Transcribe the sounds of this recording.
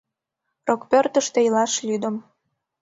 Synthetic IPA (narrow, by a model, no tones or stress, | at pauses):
rokpørt̪əʃt̪ejlɑʃlʲyd̪ə̆m